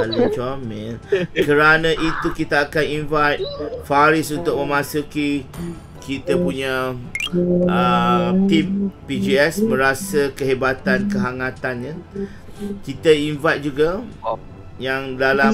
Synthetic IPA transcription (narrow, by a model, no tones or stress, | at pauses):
alit͡ʃɔmɛ̃nkəɾanãʔit̪ukit̪aːkaninvajt̪̚faɾisunt̪ʊk̚mə̃mãsuki | kit̪apuɲa | ʔət̪impid͡ʒiɛsmə̃ɾasəkəɦebat̪ankəɦaŋãt̪anɲə̃ | kit̪ainvajt̪̚d͡ʒuɡa | jaŋdala